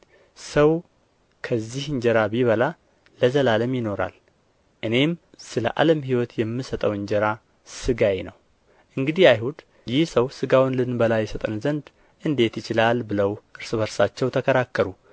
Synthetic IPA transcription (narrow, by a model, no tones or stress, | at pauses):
səw | kʰəzːihɨɲd͡ʒɛɾabiβəla | ləzəlaləmjɪno̞ɾa̰l | ʔɨne̞m | sɨlə̰ʔa̰ləmhiwɔt̪jɛmːɨsət̪ʼəwɨɲd͡ʒɛɾa | sɨɡajenəw | ʔɨŋɡɨd̪iajhud̪ | jɪhsəwsɨɡawnlɨnbəlajːɛsət̪ʼɨnzənd̪ | ʔɨnd̪e̞t̪jɪt͡ʃɪlalbɨləwʔɨɾsɨβəɾsat͡ʃːɛwt̪ʰəkʰəɾakːəɾu